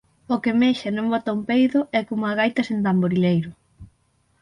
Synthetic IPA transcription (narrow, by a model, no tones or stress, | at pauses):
okemeʃɐnõmbɔt̪aumpejðʊʔɛkomʊaɣ̞ajt̪ɐsent̪amboɾilejɾʊ